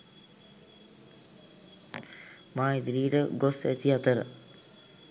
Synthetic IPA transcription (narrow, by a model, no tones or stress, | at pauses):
maːid̪ɾiːʈəɡosḛt̪iat̪əɾə̰